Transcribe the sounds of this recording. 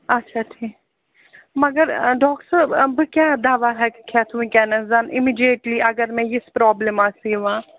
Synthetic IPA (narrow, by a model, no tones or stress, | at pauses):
ɐtːʃʰaʈʰiː | mɐɡəɾɖɔːksəbbkjaːd̪aːʋaɦɛkkʰɛːt̪ʰumĩkɛːnəsd̪aːnɪmiːɖieʈliʔɐɡəɾmɛ̃jɪspɾɔːbləmaːsiːʋãː